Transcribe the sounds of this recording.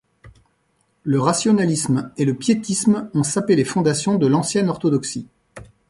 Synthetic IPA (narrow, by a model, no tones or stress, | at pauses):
ləʁasjɔnalismeləpjet̪ismɔ̃sapelefɔ̃d̪asjɔ̃d̪əlɑ̃sjɛnɔʁt̪ɔd̪ɔksi